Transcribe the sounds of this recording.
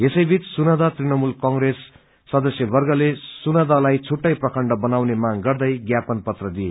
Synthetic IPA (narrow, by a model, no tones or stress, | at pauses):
esʌjbʱit͡ssunʌd̪at̪rinʌmulkʌŋɡresː | ʌd̪ʌsjʌbʌrɡʌlesunʌd̪alajt͡sʰuʈːʌjprʌkʰʌɳɖʌbʌnawnemaŋɡʌrd̪ʌjɡjapʌnpʌt̪rʌd̪ije